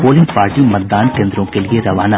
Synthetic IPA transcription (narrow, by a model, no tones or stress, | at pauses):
poːlimpaːɾʈimɐd̪ːaːnkend̪ɾõːkɛljeɾɐʋaːna